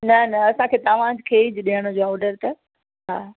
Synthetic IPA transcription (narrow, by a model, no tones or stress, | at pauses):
nɐnɐɐsãkʰeːt̪ɐʋ̤ãd͡ʑkʰeːd͡ʑɗiəɽ̃əd͡ʑoːɔːɖəɾt̪ɐ | ɦaː